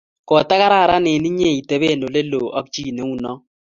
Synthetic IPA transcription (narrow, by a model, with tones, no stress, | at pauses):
kɔ˨ta˦ka˦ɾa˦˨ɾa˦nɪ˨ni˦ɲe˦˨i˨te˨be˦˨no˨le˦lo˨ʔa˦k̚t͡ʃi˦˨ne˨˦u˦nɔ˦